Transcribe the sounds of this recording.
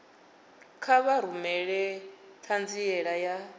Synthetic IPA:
kʰaβaɾumɛɺɛ | t̪ʰand͡ziɛɺaja

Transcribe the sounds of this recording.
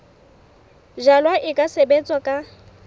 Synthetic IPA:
ʒalwaʔɪkʼasebet͡sʼwakʼa

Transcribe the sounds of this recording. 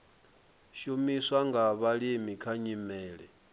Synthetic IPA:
ʃumiswaŋɡaβaɺimikʰaɲimɛːɺɛ

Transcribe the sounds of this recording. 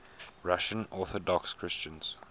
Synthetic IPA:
ɹaʃə̃nɔˑθɔdɔkskʰɹɪst͡ʃə̃nz̥

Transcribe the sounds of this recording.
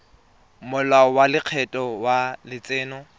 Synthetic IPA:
mʊlaɔwalɪq͡χʰɛtʼɔwalɪt͡sʼeːnɔ

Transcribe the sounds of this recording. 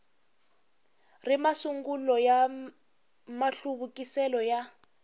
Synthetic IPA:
rimasuŋɡulɔja | maɬuβukisɛlɔja

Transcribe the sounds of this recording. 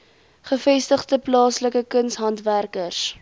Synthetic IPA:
χəfɛstəχtəplɑːsləkəkənsɦɐntværkərs

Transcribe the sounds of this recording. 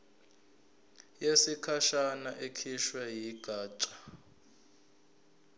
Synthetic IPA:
jesikʰaʃanaʔekʰiʃwɛjiɡ̥ʱaːt͡ʃʼḁ

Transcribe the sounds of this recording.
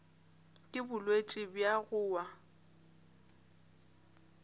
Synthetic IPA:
kʼɪbʊlwet͡ʃʼɪbjaɣʊːwa

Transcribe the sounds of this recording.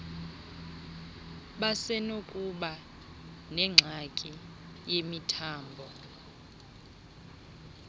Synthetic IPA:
ɓasɛnokʼuɓa | nɛŋ͡ǁʱakʼi | jemitʰaːmbʱɔ

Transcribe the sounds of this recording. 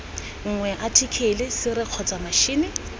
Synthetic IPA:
ŋ̩ŋwɛʔatʰikʰelɪsɪrɪq͡χʰɔt͡samaʃiːnɪ

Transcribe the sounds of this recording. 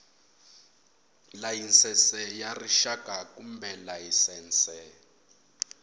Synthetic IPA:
lajinsɛsɛjariʃakʼakumbɛlajisɛːnt͡sʼɛ

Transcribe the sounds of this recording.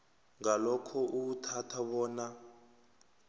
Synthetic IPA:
ŋalɔkʰɔʔutʰatʰaβɔːna

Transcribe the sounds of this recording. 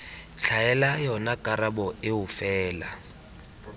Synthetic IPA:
ɬʰajɛlajɔnakʼarabɔɪʊfɛːla

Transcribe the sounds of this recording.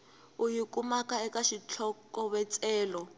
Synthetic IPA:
ujikumakaɛkaʃit͡ɬʰɔkɔβɛt͡sʼɛːlɔ

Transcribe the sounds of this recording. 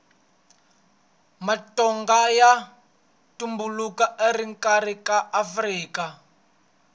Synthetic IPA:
matɔŋɡaja | tumbulukaʔeriŋkʼaɾikaʔːfriːka

